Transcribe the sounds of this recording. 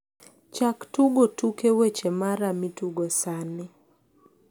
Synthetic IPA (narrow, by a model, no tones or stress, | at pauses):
t͡ʃaktuɡɔtukewet͡ʃɛmaɾamituɡɔsanɛ